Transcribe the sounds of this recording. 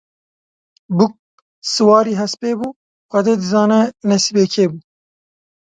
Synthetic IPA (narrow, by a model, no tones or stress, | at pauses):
buk̚ | sɨwɑːɾiːɦɛspeːbuː | xʷɛd̪eːd̪ɨzɑːnɛnɛsibeːkʰeːbuː